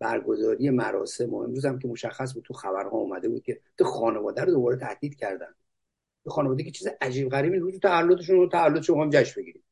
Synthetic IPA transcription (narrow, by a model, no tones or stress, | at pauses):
b̥æ̰ɾɡo̞zɒːɾije̞mæɾɒ̰ːse̞mo̰ḛmɾuːzæmkʰe̞mo̞ʃæxːæs̬buːd̪̚t̪ʰuxæbæɾhɒ̰ṵːmæd̪e̞bṵd̪̥̚cʰe̞t̪ʰixɒːne̞vɒːd̪æɾod̪o̞bɒːɾet̪ʰæ̰h̪liːd̪̥cʰæɾd̪æ̰nd̪̥ | jexɒːnevɒːd̪ekʰet͡ʃʰiːziʔæd͡ʒiːb̚ɣæɾiːminɾuːd͡ʒut̪ʰæælːot̪eʃ̬unot̪ʰævælːot̪̬eʃomexjimd͡ʒæʃmbe̞ɡiɾim